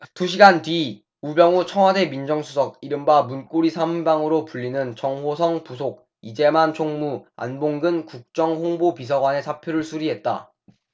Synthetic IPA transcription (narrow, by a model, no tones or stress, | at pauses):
tuɕ̬ʰiɡantɥi | ubjʌŋut͡ɕʰʌŋwade̞mind͡ʑʌŋsʰusʰʌɡ̚iɾɯmbamunk͈oɾisʰamunbaŋɯɾopuʎːinɯnt͡ɕʌŋɦos̬ʰʌŋpusʰoɡ̚ | id͡ʑe̞mant͡ɕʰoŋmua̰nboŋɡɯnkuk̚t͡ɕ͈ʌŋɸoŋbopis̬ʰʌɡwane̞sʰapʰjoɾɯɭsʰuɾiɦe̞t̚t͈a̰